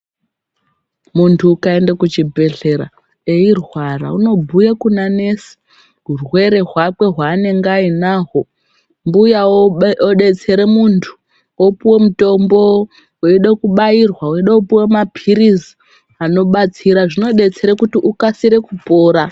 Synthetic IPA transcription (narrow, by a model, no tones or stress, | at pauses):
muntʰuːkae̞ndekut͡ʃibʱe̞ɮe̞ɾa | eirwara̰uno̞bʱujakunane̞si̥ | ɦurwe̞ɾe̞ɦwakwe̞ɦwaːne̞ŋɡainaɦo̞ | mbujaoɗe̞t͡se̞ɾemuntʰu̥ | wopuwe̞muto̞mbo̞ | wiɗekuɓairwawiɗeupuwe̞mapirizi | ano̞ɓat͡siɾaʐino̞ɗe̞t͡se̞ɾekutiʔukasiɾe̞kupo̞ːɾa